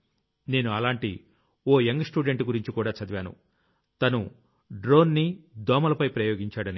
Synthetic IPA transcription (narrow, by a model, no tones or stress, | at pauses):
ne̞ːnuɐlaːɳʈḭ | oːeŋɡsʈuːɖeɳʈɡuɾiɲt͡ʃikuːɽaːt͡ʃɐd̪ʋjaːnṵ | t̪ɐnu | ɖɾo̞ːnːid̪ɔːmɐlɐpɐjpɾɐjoːɡiɲt͡ʃaːɽɐni